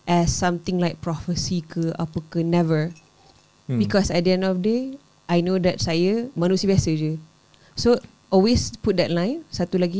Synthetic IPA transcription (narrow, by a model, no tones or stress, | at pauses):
ʔɛsːãmt̪ɪ̃ŋlajk̚pɹɔfəsikʰəʔa̰pəkənɛvəɹ | bikɔsɛʔ̚diɛ̃ndɔfde | ʔajnodɛt̚sajəmanũsiəbiasəd͡ʒu | so | ɔlwesput̚dɛtlãj̃nsat̪ulaɡi